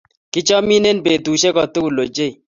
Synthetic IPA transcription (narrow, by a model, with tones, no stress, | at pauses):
kɪ˦t͡ʃɔ˦mi˦ne˦npe˨tu˨ʃe˦kɔ˨tu˦u˨lo˨d͡ʒe˦i˨